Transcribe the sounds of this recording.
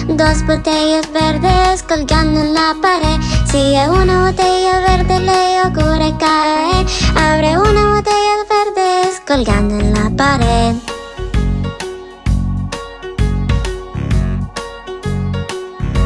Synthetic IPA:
d̪ospot̪ejosbeɾðeskolɡand̪enlːapaɾesieunaβot̪ejoβeɾðelejokuɾekaeaβɾeunaβot̪ejosbeɾðeskolɡa̰nd̪enlapaɾeð

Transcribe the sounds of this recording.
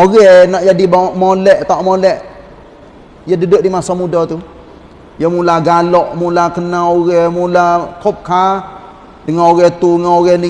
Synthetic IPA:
oɣɛhnaʔd͡ʒadibamolɛʔt̪aʔmolɛʔ | jədədəʔdimasamudɔt̪u | jəmulaɡalɔʔmulakənaoɣɛmulakʰɔp̚ka | dəŋanoɣɛht̪uŋaoɣɛni

